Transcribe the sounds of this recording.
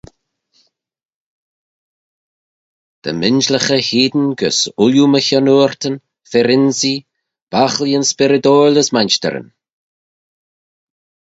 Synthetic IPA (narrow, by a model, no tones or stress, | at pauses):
d̪̥ə̰mɪnʒləxəhiːd̪ənɡəsʊljuməçɔnuːɹt̪ən | fɛɾɪnzi | b̥axliənspɪɾəd̪oːləsmant͡ʃt̪ə̰ɾə̰n